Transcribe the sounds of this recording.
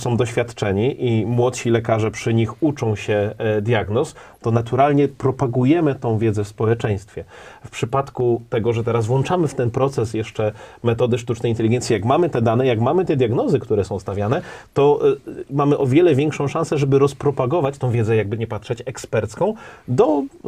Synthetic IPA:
sɔ̃w̃d̪ɔɕfʲjat̪t͡ʂɛɲiʔimwɔt̪ɕilɛkaʐɛpʂɘɲixut͡ʂɔ̃w̃ɕɛd̪ʲjaɡnɔs | t̪ɔnat̪uɾalɲɛpɾɔpaɡujɛmɘt̪ɔ̃w̃vʲjɛd̪zɛfspɔwɛt͡ʂɛ̃j̃st̪fʲjɛfpʂɘpat̪kut̪ɛɡɔʐɛt̪ɛɾazvwɔ̃nt͡ʂamɘft̪ɛnpɾɔt̪sɛsjɛʂt͡ʂɛmɛt̪ɔd̪ɘʂt̪ut͡ʂnɛjint̪ɛlʲiɡɛnt̪sʲijakmamɘt̪ɛd̪anɛjaɡkmamɘt̪ɛd̪ʲjaɡnɔzɘkt̪uɾɛsɔ̃w̃st̪avʲjanɛt̪ɔmamɘʔɔvʲjɛlɛvʲɛŋkʂɔ̃w̃ʂãñsɛʐɛbɘɾɔspɾɔpaɡɔvat͡ɕt̪ɔ̃w̃vʲjɛd̪zɛjaɡ̚bɘɲɛpat̪ʂɛt͡ɕɛkspɛɾt̪skɔ̃w̃d̪ɔ

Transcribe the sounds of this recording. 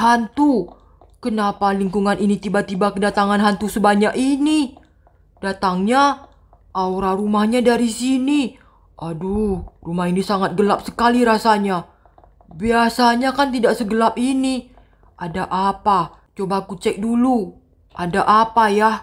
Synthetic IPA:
ɦant̪u | kənapaliŋkuŋanʔinit̪ibat̪ibakədat̪aŋanɦant̪usəbaɲakini | dat̪aŋɲa | ʔawɾaɾumahɲadaɾisini | ʔadurumahinisaŋat̪̚ɡəlap̚sə̥kaliɾasaɲa | biasaɲakant̪idaʔsəɡəlap̚ini | ʔadaʔapa | t͡ʃobakut͡ʃɛk̚dulu | adaʔapajah

